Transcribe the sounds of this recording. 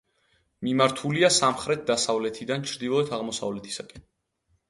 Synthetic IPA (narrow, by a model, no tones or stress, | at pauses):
mimaɾt̪ʰuliasamχɾɛt̪̚ʰd̪asavlɛt̪ʰid̪ant͡ʃʰɾd̪ilˠɔɛt̪ʰaʁmɔsa̰vlɛt̪ʰi̥sakʼɛn